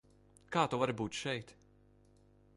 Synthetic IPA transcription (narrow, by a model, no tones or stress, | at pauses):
kaːt̪ɔvaɾbuːt̪ʃɛjt̪